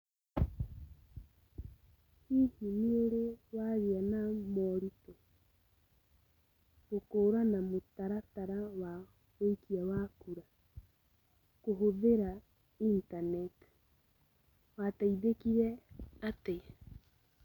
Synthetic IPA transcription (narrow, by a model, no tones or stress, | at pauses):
hihineoɾewaɣeanamɔɾitɔ | ɡokoːɾanamotaɾataɾawa | eikiawakuɾa | koɦoðeɾa | intanɛt | wataiðekiɾɛate